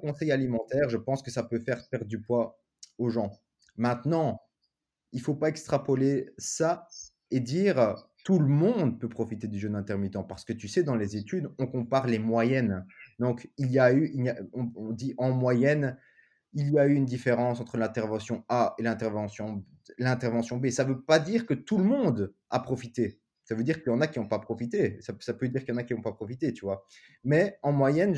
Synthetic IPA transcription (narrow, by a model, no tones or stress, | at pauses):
kɔ̃sɛjalimɑ̃t̪ɛʁʒəpɑ̃skəsapøfɛʁpɛʁd̪ypwa | oʒɑ̃ | mɛ̃t̪nɑ̃ | ilfopaɛkst̪χapɔlesa | ed̪iːʁt̪uləmɔ̃d̪̚pøpχɔfit̪ed̪yʒənɛ̃t̪ɛʁmit̪ɑ̃paʁsə̥kət̪ysɛd̪ɑ̃lezet̪yd̪ɔ̃kɔ̃paʁlemwajɛnd̪ɔ̃kiljayiljaɔ̃ɔ̃d̪iʔɑ̃mwajɛn | iljayːnd̪ifeʁɑ̃sɑ̃t̪χəlɛ̃t̪ɛʁvɑ̃sjɔ̃aelɛ̃t̪ɛʁvɑ̃sjɔ̃ | lɛ̃t̪ɛʁvɑ̃sjɔ̃besavøpad̪iːʁkət̪uləmɔ̃d̪ | a̰pχɔfit̪e | savød̪iʁkəjɑ̃nakʲiɔ̃papχɔfit̪esasapød̪iːʁkjɑ̃nakʲiɔ̃papχɔfit̪et̪yvwa | mɛɑ̃mwajɛn